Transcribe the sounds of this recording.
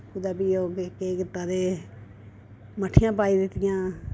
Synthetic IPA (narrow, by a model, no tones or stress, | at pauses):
kʊd̪aːbiːoːɡkeːkɪt̪ːãːd̪eː | məʈʰːɪjãːpaːiːd̪ɪt̪ːɪjãː